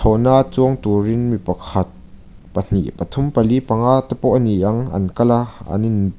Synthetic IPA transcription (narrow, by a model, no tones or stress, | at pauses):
t̪ʰɔnat͡suəŋt̪urinmipɐkʰɐt̪̚ | pən̥ḭʔpɐt̪ʰumpɐlipɐŋat̪əpɔʔniʔɐŋɐ̰nkɐlaɐ̰nin